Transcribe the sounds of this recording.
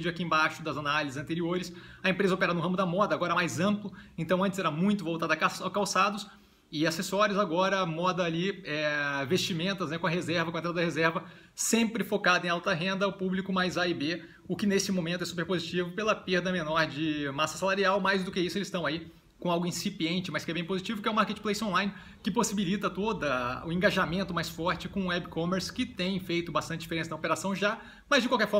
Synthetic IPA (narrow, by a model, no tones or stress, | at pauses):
d͡ʒʊakiẽbaʃʊd̪ɐzanalizɪzɐ̃nt̪eɾioɾɪsɐẽmpɾezɐopɛɾanʊɦɐ̃mʊd̪ɐmɔd̪ɐːɡɔɾɐɛmajzɐ̃mplʊẽt̪ɐ̃w̃ɐ̃t͡ʃɪsɛɾamũj̃t̪ʊvowt̪ad̪ɐkaskawsad̪ʊs | ɪasesɔɾjʊzaɡɔɾɐmɔd̪ɐːliɛvest͡ʃimẽnt̪ɐznɛkõɐɦezɛɾvɐkõẽt̪ɾad̪ɐd̪ɐɦezɛɾvɐ | sẽmpɾɪfokad̪ʊẽj̃awt̪ɐɦẽnd̪ɐʊpublikʊmajzaɪbe | ʊkɪnesɪmõmẽnt̪ʊɛsupeɾpozit͡ʃivʊpelɐpeɾd̪ɐmẽnɔɾd͡ʒɪmasɐsalaɾiawmajzd̪ʊkɪisʊelɪst̪ɐ̃w̃ai | kõawɡʊĩsipiẽnt͡ʃɪmɐskɪɛbẽj̃pozit͡ʃivʊkɪɛʊ̃maɾket͡ʃɪ̥plejsõlãj̃nɪ | kɪposibilit̪ɐt̪od̪ɐʊẽŋɡaʒamẽnt̪ʊmajsfɔɾt͡ʃɪkõɛbkõmeɾskɪt̪ẽj̃fejt̪ʊbast̪ɐ̃t͡ʃɪd͡ʒifeɾẽsɐd̪ɐopeɾasɐ̃w̃ʒa | mɐzd͡ʒɪkwawkɛɾfɔ